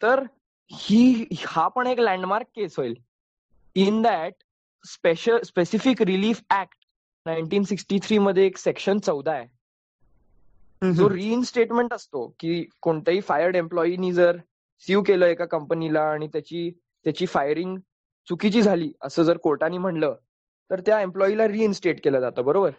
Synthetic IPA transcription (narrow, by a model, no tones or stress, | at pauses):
t̪əɾ | hiːhapəɳeklæ̃ɳɖmaɾkːesɦojl | ind̪æʈ̚ | speɕəlspesifikɾiliːfækʈ | najɳʈiːnsiksʈit̪ʰɾiːməd̪ʱːjeːksekɕənt͡səwd̪ʱae | d͡zoɾiːnsʈeʈmẽɳʈəst̪okiːkoɳt̪aɦiːfajəɾɖemplɔiniːd͡zəɾ | siukeləːekakəmpənilaːɽ̃it̪jat͡ɕiː | t̪jat͡ɕiːfajəɾiŋɡ | t͡sukit͡ɕiːd͡zʱaliːəsəːd͡zəɾkoɾʈaniːm̤əɳləː | t̪əɾt̪jaemplɔilaɾiːinsʈeʈkeləːd͡zat̪əːbəɾobəɾ